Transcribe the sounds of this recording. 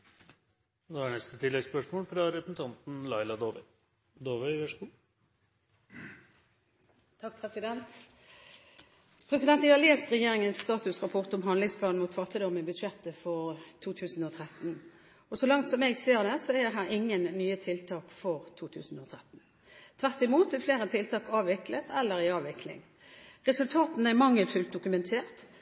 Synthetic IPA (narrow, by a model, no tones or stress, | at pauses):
noːæɳɛst̪ət̪ʰɪlːɛɡspœʂmoːlfɾɑɾɛpsn̩t̪ʰɑnt̪n̩lɑɪlɑd̪oːʋə | d̪oːʋəɪʋɛʂkuː | t̪ʰɑk̚pʰʁɛsɪd̪ɛnt̪ | pʰʁɛsɪd̪ɛnt̪ʋɪhɑʁleːst̪ʁɛjeːʁɪŋənst̪ɑːt̪ʉsʁɑpʰɔʁt̪ɔmɦɑnd̪lɪŋspʰlɑːnnmuːt̪fɑt̪ːɪd̪ɔmɪbʉd̪ʂɛt̪ːəfɔʁt̪ʰuːt̪ʰʉːsn̩ɔt̪ʰʁɛt̪n̩ | ɔsɔlɑŋt̪sɔmɛɡseːʁd̪ɛsɔɛəɾɦæːʁɪŋːənːyːət̪ʰɪlt̪ʰɑːkfɔʁt̪ʰuːt̪ʰʉ̰ːsn̩ɔt̪ʰʁɛt̪n̩ | t̪ʰʋæʁt̪ɪmuːt̪ɛfleːʁət̪ʰɪlt̪ʰɑːkɑːʋʋɪklət̪ʰɛlːəɾɪɑːʋɪkʰlɪ̰ŋ | ʁɛsʉlt̪ʰɑːt̪n̩æmɑŋːəlfʉlt̪̚d̪ʊkʉmɛnt̪ʰeːʁt̪